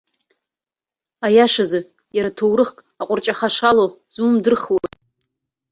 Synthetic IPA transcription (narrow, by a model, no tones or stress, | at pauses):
ajaʂazɨ | jaɾatʰowɾɨχkʼ | aqʷʼʊrt͡ʃʼaχaʂalo | zuːmdɨrχwatʼ